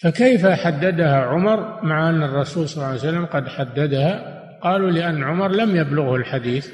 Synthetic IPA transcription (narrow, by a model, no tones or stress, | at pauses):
fakajfaħad̪ːad̪ahaʕʊmɑɾˤmaʕaʔanːɑrˤːɑsuːlsˤɑlːɑːjsalːamqɑd̪ħad̪ːad̪aha | qɑːlulɪʔanːʕʊmɑɾˤlamjablʊɣhʊlħad̪iːθ